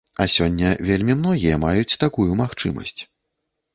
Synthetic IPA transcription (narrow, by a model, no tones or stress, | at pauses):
ɐsʲɔnʲːɐvʲelʲmʲimnɔɣʲijɐmajut͡sʲt̪akujumaxt͡ʂɨmɐ̰sʲt͡sʲ